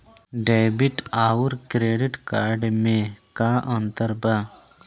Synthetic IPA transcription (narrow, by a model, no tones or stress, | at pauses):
ɖajbiʈaːwuɾkɾeːɖiʈkaːɾɖmẽkaːʔɐ̃nt̪əɾba